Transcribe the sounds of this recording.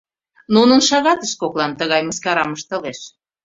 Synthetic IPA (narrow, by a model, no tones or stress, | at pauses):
nunənʃɑɣɑt̪əʃkoklɑnt̪əɣɑjməskɑɾɑməʃt̪ə̆leʃ